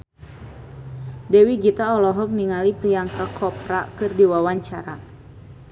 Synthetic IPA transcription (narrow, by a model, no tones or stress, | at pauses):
dɛwiɡit̪aɔlɔɦɔk̚niŋalipɾiaŋkakʰɔpɾakɨrdiwawaɲt͡ʃaɾa